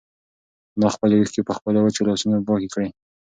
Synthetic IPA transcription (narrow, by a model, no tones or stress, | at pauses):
nɑxpəlawixkepəxpəlawət͡ʃalɑsunapɑkekɽe